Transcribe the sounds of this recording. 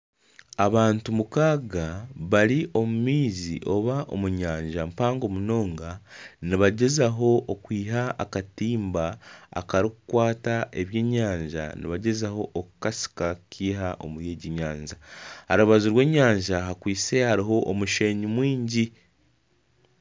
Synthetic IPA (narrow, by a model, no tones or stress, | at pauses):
aβaːntumukaːɡaβaɾiʔo̞mumiːzḭʔo̞βaʔo̰muɲaːɲʒam̩paːŋɡo̞muno̞ːŋɡaniβaɟe̞zaɦo̞ʔokwiːɦaʔakatiːmbaa̰kaɾikukwaːtaʔe̞βje̞ːɲaːɲʒa̰nḭβaɟe̞zaho̞ʔokukasi̥kakʰiːɦaʔo̰mujeːɟiɲaːɲʒahaɾuuβazuɾwe̞ːɲaːɲʒaɦakwiːt͡se̞haɾiɦo̞ʔːmuʃe̞ːɲimwiːɲɟi